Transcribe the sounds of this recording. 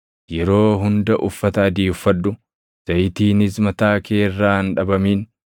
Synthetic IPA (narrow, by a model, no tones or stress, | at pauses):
jɛɾo̞ːɦʊnd̪ɐʔʊfːɐt̪ɐɐd̪iːʊfːɐᶑ̪ːʊ | z̥ɐjt̪iːnɪsmɐt̪aːkʰeːrːaːnᶑɐbɐmiːn